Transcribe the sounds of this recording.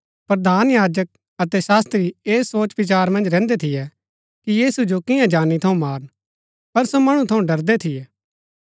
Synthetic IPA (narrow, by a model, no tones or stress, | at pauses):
pɾɐd̪ʱaːnjaːd͡ʒək̚ | ɐt̪ɛsaːst̪ɾieːsoːt͡ʃʋɪt͡ʃaːɾmɐ̃nd͡ʒɾɛ̃ːnd̪et̪ʰɪjɛ | kijiːsud͡ʒokɪjãd͡ʒaːnit̪ʰɐũmaːɾən | pɐɾsomɐɽ̃ũt̪ʰɐũɖɐɾd̪et̪ʰɪjɛː